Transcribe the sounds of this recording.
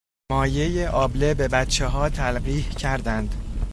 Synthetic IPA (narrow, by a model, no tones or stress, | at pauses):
mɒːje̞jeʔɒːble̞be̞bæt̪t͡ʃʰːeɦɒːt̪ʰælɢiːhcʰæɾd̪ænd̪̥